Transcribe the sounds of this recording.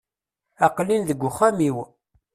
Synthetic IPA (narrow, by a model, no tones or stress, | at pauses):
æqlinðəɡʷːʊχæmiw